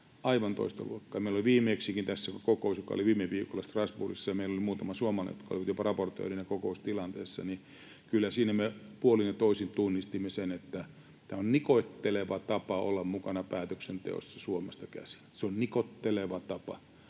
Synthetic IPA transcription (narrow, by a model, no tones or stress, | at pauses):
ɑiʋɑnt̪o̰ist̪ɑ̰lṵokːɑːmeiloliʋiːmeːksiːkint̪æsːækkokousjokɑ̰o̰liʋiːmeʋiːkolːɑst̪rɑsburḭsːɑjɑmeilolimuːt̪ɑmɑsuomɑlɑ̰jot̪kɑo̰liʋɑt̪jopɑrɑport̪ø̰ːrinɑkokoust̪ilɑnt̪ḛːsːɑ̰ni | kylːæsiːnæmepuolinjɑt̪oisint̪unːist̪imːesenet̪ːæ | t̪æːonnikoit̪ːeleʋɑt̪ɑpɑo̰lːɑmmukɑnɑpæːt̪øksent̪ḛo̰sːɑsuomest̪ɑkæ̰si̥nseonnikot̪ːeleʋɑt̪ɑpɑ̰